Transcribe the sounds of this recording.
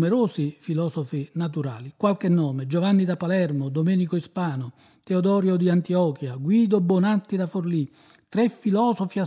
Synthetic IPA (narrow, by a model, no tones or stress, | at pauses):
mɛɾoːsifilɔːsɔfinat̪uɾa̰ːlikwalk̟enːɔːmed͡ʒovanːid̪apalɛrmod̪omɛːnikoispaːnʊ | t̪eod̪ɔːɾjod̪iant̪iɔːkjaɡwiːd̪obːɔnat̪ːid̪aforli | t̪ːɾɛfːilɔːsofia